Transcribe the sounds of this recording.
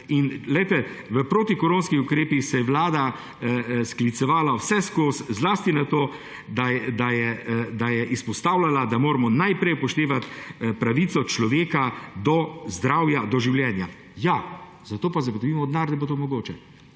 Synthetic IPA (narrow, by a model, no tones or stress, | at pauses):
inlɛjt̪ɛ | ʋəpɾoːt̪ikɔɾoːnskixʊkɾeːpixsɛjɛwlaːd̪a | sklit̪sɛʋaːlawsɛskoːszlaːst̪inat̪oː | d̪aɛd̪ajɛd̪ajɛʔispɔst̪aːwlalad̪amoːɾamɔnajpɾɛjpɔʃt̪eːʋat̪pɾaʋit̪sɔt͡ʃlɔʋeːkad̪ɔzd̪ɾawjad̪ɔʒiwljɛːnja | ja | zat̪oːpazɐɡot̪ɔbiːmɔd̪naɾnɛbot̪oːmɔɡoːt͡ʃɛ